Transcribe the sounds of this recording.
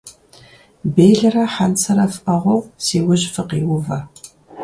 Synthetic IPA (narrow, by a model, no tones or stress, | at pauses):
bejɮɐrɐħant͡sʰɐɾɐfɐʁʷɔwsiːwʊʑfɨqiːwʊvɐ